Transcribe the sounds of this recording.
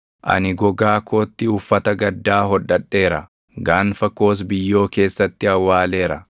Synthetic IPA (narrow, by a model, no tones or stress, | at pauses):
ʔɐ̰nɪɡɔɡaːkʰo̞ːt̪ːɪʊfːɐt̪ɐɡɐd̪ːaːɦɔᶑːɐᶑːe̞ːɾɐ | ɡaːnfɐko̞ːs̬bɪjːo̞ːke̞ːsːɐt̪ːɪɐwːaːle̞ːɾɐ